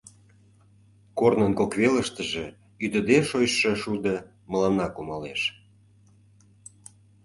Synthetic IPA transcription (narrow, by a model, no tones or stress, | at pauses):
kornənkokβeləʃt̪ə̆ʒe | yd̪əd̪eʃojʃːə̆ʃud̪ə̆ | məlɑnɑkumɑleʃ